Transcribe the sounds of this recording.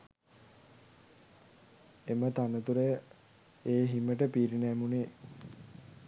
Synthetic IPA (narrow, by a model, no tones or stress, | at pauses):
emət̪anət̪uɾəjə | eːɦiməʈəpiːɾinæmuneː